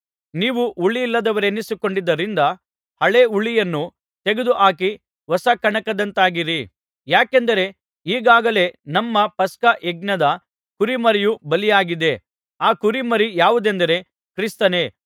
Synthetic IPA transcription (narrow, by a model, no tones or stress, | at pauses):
niːʋuʔuɭːijilːɐd̪ɐʋɐɾenːisuko̞ɳɖid̪ːɐɾind̪ɐ | hɐɭe̞uɭijɐnːu | t̪e̞ɡed̪uʔaːki | ʋɐsɐkɐɳɐkɐd̪ɐnt̪aːɡiɾi | jaːkend̪ɐɾe̞ | iːɡaːɡɐle̞nɐmːɐpɐskɐʔeɡ̚nɐd̪ɐ | kuɾimɐɾijubɐlijaːɡid̪e̞ | aːkuɾimɐɾijaːʋud̪end̪ɐɾe̞ | kɾist̪ɐne̞